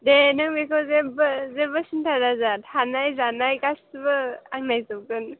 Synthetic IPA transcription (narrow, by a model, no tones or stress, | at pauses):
denɯŋbekʰɔzebzebɯsintʰaɾazatʰanajzanajkasbɯaŋnajzɯɡɯn